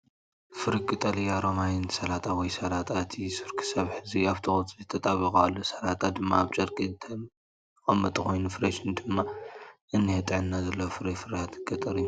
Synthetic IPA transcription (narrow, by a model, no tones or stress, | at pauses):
fɨɾikʼɨt̪ʼɐlijaɾomajɪnsɐlat̪ʰʼawɔjsɐlat̪ʰʼat̪ʰisɨɾkʰɨ̥sɐβħɨziaβt̪ʰɨxot̪ʼzɨt̪ʰɐt̪ʼaβikʼalːosɐlat̪ʼad̪ɨmːaːβt͡ʃʼɐɾkʼit̪ʰɐ | χʼɐmːɐt̪ʼɨxo̞jnufɨɾeʃind̪ɨmːaʔɨnːihɐt̪ʼɨʕɨnːazɐlːɐwfɨɾifɨɾat̪ʰɨɡɐt̪ʼɐɾju